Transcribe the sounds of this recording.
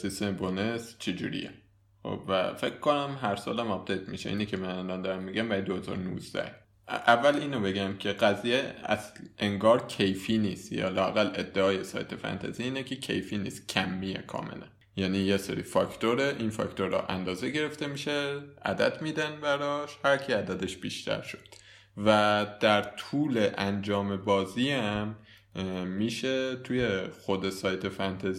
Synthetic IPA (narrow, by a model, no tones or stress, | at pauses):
sist̪embonest͡ʃʰed͡ʒṵːɾḭje | xo̰b̥væ̰fe̞kʰkʰo̞næmɦæɾsɒ̰ːlæmɒb̚d̪ejt̪ʰmḭʃeʔiːnicʰʲemænælɒnd̪ɒːɾæmːiɡæmbæɾid̪ohezɒ̰ːɾonṵːzd̪æ̰h | ʔævːæliːnobe̞ɡæmcʰe̞ɣæzijeæ̰zʔeŋɡɒːɾcʰejfiːniːst̪jɒ̰ːlɒːæɣæle̞d̪ːeɒːjesɒ̰ːjt̪ʰe̞fæ̰nt̪ʰæ̰ziiːnecʰecʰḛjfiːniːst̪cʰæmːijḛkʰɒ̰ːmḛlæn | jæniːjesḛɾḭfɒct̪ʰoɾeʔinfɒ̰kt̪ʰoɾɒ̰ʔæ̰nd̪ɒːzeɡe̞ɾe̞ft̪e̞miːʃeʔæ̰d̪æ̰d̪miːd̪ænbæɾɒːʃhæɾcʰiæd̪æd̪eʃb̥iːʃt̪ʰæ̰ɾʃo̥d̪̥ | væd̪̥æɾt̪ʰuːleʔænd͡ʒɒːme̞bɒːziːæmː | iːʃet̪ʰujexod̪e̞sɒːjt̪ʰe̞fænt̪ʰæz